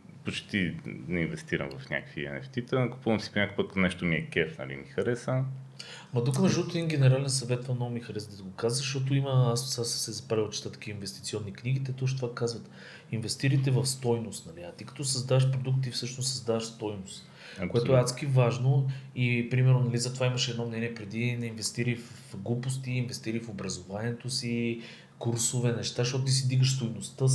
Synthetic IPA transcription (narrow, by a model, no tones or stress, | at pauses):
pot͡ʃt̪inɛinvɛst̪iɾə̰mvɐfnʲa̰kə̥kvḭɛ̰nɛ̰ft̪it̪ɛnɐko̥puvˠɐmsi̥ponɲakoipət̪kət̪nɛʃt̪oniɛkʲɛfnɐ̰lḭmixɐɾɛsə | mɐt̪ukəmɛʒd̪ɔt̪oɛd̪inɡʲɛnɛɾalɛnsɐvɛt̪vamnɔɡʊmixɐɾɛsd̪ət̪iɡokazəzɐʃt̪ɔt̪̬oiməassassɛzɐpailˠt͡ʃɛ̥t̪at̪ɐ̥kiəinvɛst̪it̪siɔnːikniɡ̟it̪ɛt̪ɔʃ̬t̪ovakazvɐt̪ | invɛst̪iɾəjt̪ɛvəfst̪ɔjnost̪nɐliɐt̪ikɐ̥t̪ɔsɐzd̪aəʃpɾod̪ukt̪ifsɤʃnossɐzd̪avɐʃst̪ɔjnost̪ | kkoɛt̪oɛat̪skivaʒnoipɾimɛɾnonɐlizɐt̪ovaiməʃɛd̪nɔmnɛniɛpɾɛd̪inɛinvɛst̪iɾəjfəfɡlˠupost̪iːnvɛst̪iɾəjfobɾɐzovaniɛt̪osi | kuɾsovɛnɛʃt̪aʃt̪ɔt̪ot̪isid̪iɡəʃst̪ojnost̪ə